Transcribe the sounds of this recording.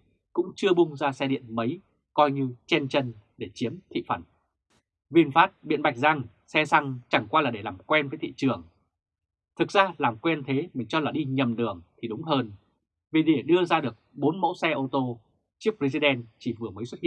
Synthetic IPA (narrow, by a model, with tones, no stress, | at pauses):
kʊ̰˧˥ŋ͡mt͡ɕɨ˧əɓʊ˧ŋ͡mzaː˧sɛ˧ɗḭ˧˨ənmə˨˦j | kɔ˧jɲɨ˧t͡ɕɛ˧nt͡ɕə˧nɗe˧˩t͡ɕi˨˦əmt̪ʰḭ˧˨fə˧˩n | vi˧ənfaː˦˥t̚ɓḭ˧˨ənɓa˨˩k̚za˧ŋ | sɛ˧sa˧ŋt͡ɕa˧˩ŋkwaː˧laː˨˩ɗe˧˩laː˨˩mkwɛ˧nvə˨˦jt̪ʰḭ˧˨t͡ɕɨ˨˩əŋ | t̪ʰɨ˨˩k̚zaː˧laː˨˩mkwɛ˧nt̪ʰe˨˦mï˨˩ŋ̟t͡ɕɔ˧laː˨˩ɗi˧ɲə˨˩mlɨ˨˩əŋt̪ʰi˨˩ɗʊ˨˦ŋ͡mɦəː˧n | vi˨˩ɗe˧˩ɗɨ˧əzaː˧ɗɨ˨˩ək̚ɓo˨˦nmo̰˧˥wsɛ˧ʔo˧t̪o˧ | t͡ɕi˦˥əp̚zi˧zi˧ɗɛ˧nt͡ɕi˧˩vɨ˨˩əməː˨˦jswt̚ḭ˧˨